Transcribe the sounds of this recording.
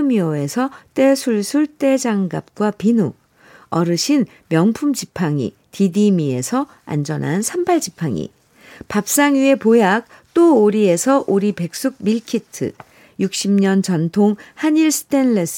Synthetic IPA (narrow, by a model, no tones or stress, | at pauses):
ɯmiʌe̞sʰʌt͈e̞sʰuɭsʰuɭt͈e̞d͡ʑaŋɡap̚k͈wapinu | ʌɾɯɕʰin | mjʌŋpʰumd͡ʑipʰaŋḭ | tidimie̞̰sʰʌ | a̰nd͡ʑʌnɦa̰nsʰampʰaɭd͡ʑipʰaŋḭ | pap̚s͈aŋie̞pojak̚ | t͈ooɾie̞sʰʌʔuɾipe̞k̚s͈uk̚miɭkʰitʰɯ̰ | juk̚ɕ͈imɲʌnt͡ɕʌntʰoŋhaɲiɭsʰɯ̥tʰe̞nles